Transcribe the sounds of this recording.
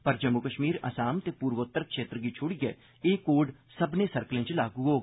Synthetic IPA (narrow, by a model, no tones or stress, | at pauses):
pəɾd͡ʒəmːʊkəʃmiːɾə̰saːmt̪eːpuːɾʋət̪ːəɾkʃeːt̪ɾɡiːt͡ʃʰʊɽiɡɛː | eːkoːɖ | səbnẽːsəɾkəlẽːt͡ʃlaːɡuːɦoː